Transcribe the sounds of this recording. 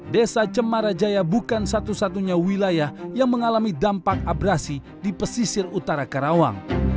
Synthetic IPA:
desat͡ʃəmaɾad͡ʒajabukansat̪usat̪uɲawilajahjaŋməŋalamidampak̚abɾasi | dipəsisɪrut̪aɾakaɾawa̰ŋ

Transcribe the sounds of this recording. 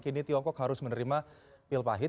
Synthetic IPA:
kinit̪iɔŋkɔkɦaɾʊsmənəɾimapɪlpa̰ɦɪ

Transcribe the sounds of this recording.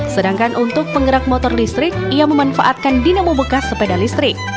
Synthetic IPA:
sədaŋkanʔunt̪ʊk̚pəŋɡəɾak̚mɔt̪ɔrlist̪ɾɪk̚ijaməmanfa̰ʔat̪̚kandinamobəkasəpedalist̪ɾɪk̚

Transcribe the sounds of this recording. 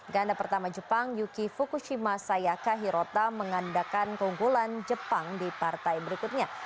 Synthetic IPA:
ɡandapərt̪amad͡ʒəpaŋjukifukuʃimasajakaɦiɾot̪aməŋandakankəuŋɡuland͡ʒəpaŋdipart̪ajbəɾikut̪̚ɲa

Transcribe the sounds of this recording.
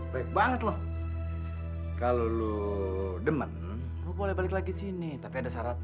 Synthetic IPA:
baik̚baŋət̪̚lɔh | kalolu | dəmən | lobolɛhbalɪklaɡisinit̪apiadasaɾat̪

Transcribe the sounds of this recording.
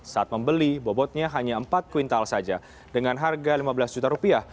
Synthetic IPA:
saʔat̪̚məmbəlibɔbɔt̪̚ɲaɦaɲaəmpat̪̚kuint̪alsad͡ʒa | dəŋanɦarɡalimabəlasd͡ʒut̪aɾupiah

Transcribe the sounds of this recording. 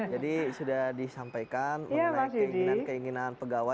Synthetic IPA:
d͡ʒadisudahdisampajkanmjjamasəidinankəiŋinanpəɡawa

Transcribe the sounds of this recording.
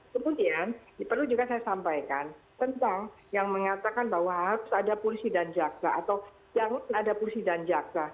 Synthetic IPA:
kəmudianpərlud͡ʒuɡasajasampajkant̪ənt̪aŋ | jaŋməŋat̪akanbahwaɦaɾʊsadapolisidand͡ʒaksaat̪aw | d͡ʒaŋanadapolisidand͡ʒak̚sa

